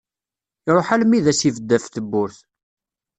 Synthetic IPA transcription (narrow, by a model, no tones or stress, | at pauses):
iɾˤoħælmːiðæsivəd̪ːæft̪əbːʊɾθ